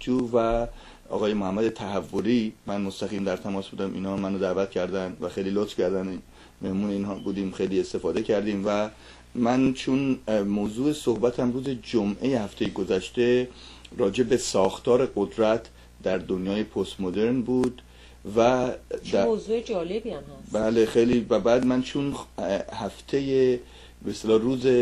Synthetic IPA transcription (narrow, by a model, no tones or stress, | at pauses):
uːvæ | ʔɒ̰ːɣɒːjemohæmːæd̪e̞t̪ʰæɦævːoɾiːmænmost̪æɣiːmd̪æɾt̪ʰæmɒːsbuːd̪æmʔḭːnhɒːmænod̪æːvæt̪cʰæɾd̪ænd̪væxe̞jliːlot̪fcʰæɾd̪ænin | me̞hmuːneiːnhɒːbuːd̪iːmxejliːe̞st̪e̞fɒːd̪e̞cʰæɾd̪iːmvæ | mænt͡ʃʰunmozuːesohbæt̪ʰæmruːzed͡ʒomʔe̞jehæft̪ʰejeɡo̞zæʃt̪e̞ | rɒːd͡ʒe̞be̞sɒːxt̪ʰɒːɾe̞ɡod̪ɾæt̪ʰ | d̪̥æɾd̪onjɒːje̞pʰost̪mod̪e̞ɾnbuːd̪ | væd̪æozuːed͡ʒɒːlebiæmhæbæːle̞xejliːvæbæːd̪mænt͡ʃʰunhæft̪ʰe̞je | best̪elɒːruːze